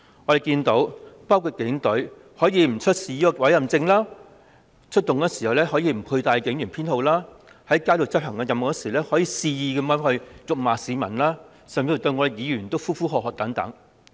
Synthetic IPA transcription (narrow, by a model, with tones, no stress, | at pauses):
ŋɔː˨˧ɾe˨˩jkiː˧nt̪o˨˥wpaː˥wkʰu˧t̚kɪ˨˥ŋt̪ɵ˨˥ɥ | hɔː˨˥jiː˨˧m̩˨˩t͡ʃʰɵ˥t̚siː˧jiː˧ɔ˧wɐ˨˥jɐ˨˩mt͡sɪ˧ŋlaː˥ | t͡ʃʰɵ˥t̚t̪ːʊ˨ŋɛː˧siː˨˩hɐ˨˩wlɛː˥ɦɔː˨˥jiː˧m̩˨˩pʰu˧jt̪aː˨˧jkɪ˨˥ŋjyː˨˩npʰiː˥nho˨˧wlaː˥ | hɐ˨˥jkaː˥lo˨˩t͡sɐ˥p̚hɐ˨˩ŋkɐː˧jɐ˨m˨˩ksiː˨˩wlɛː˥hɔː˨˥jiː˧siː˧jiː˨˧kɐ˨˥maː˨˥hɵ˧ɥjʊ˨k̚maː˨siː˨˧mɐ˨˩nlaː˥ | sɐ˨mji˧˨˩t̪ɵ˧jŋɔː˨˧ɾe˨jiː˨˧jyː˨˩nt̪o˥wfuː˥fuː˥ɦɔː˨k̚hɔː˨k̚t̪ɐ˨˥ŋt̪ɐ̰˨˥ŋ